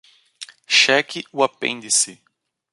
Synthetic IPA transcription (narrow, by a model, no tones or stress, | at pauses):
ʃɛkɪʊapḛ̃nd̪ɪsɪ